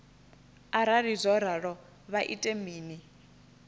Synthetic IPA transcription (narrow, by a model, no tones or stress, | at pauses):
aɾaɾizʷɔɾaɺɔ | βaʔḭtʼemiːni